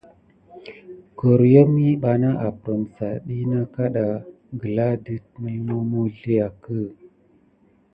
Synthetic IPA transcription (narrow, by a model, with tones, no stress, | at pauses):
ɡo˨ɾjo˦mi˦ɓa˨na˦ʔa˨pɾo˨msa˨ɗi˦na˦ka˦ɗa˨ | ɡə˨la˦di˦t̚mə˦lmo˦mo˦ɮe˦ja˨kə˦˨